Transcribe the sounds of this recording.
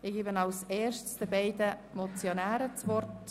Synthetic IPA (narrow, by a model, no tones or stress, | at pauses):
ɪɡ̥iːbənɑlseːɾʃtsd̥əbɛɪdəmɔt͡sjonæːɾət͡svɔrt